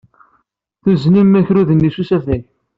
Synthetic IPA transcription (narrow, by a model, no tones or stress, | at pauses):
θuznimːæçɾuðənːisusæθæç